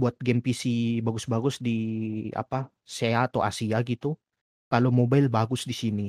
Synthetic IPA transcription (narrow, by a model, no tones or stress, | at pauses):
buat̪̚ɡɛmpisibaɡʊsbaɡʊsdia̰pa | seaːt̪awʔa̰siaɡit̪u | kalomobaɪlbaɡʊsdisini